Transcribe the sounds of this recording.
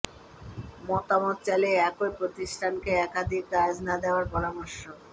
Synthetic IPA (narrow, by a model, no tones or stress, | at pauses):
mɔt̪amot̪̚t͡ɕɛleɛkojpɾot̪isʈʰankeɛkad̪ʱikɾad͡ʑnad̪eoaɾpɔɾamoɾʃːo